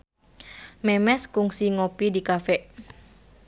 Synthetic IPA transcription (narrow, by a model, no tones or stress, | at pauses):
mɛmɛskuŋsiŋopidikafɛʔ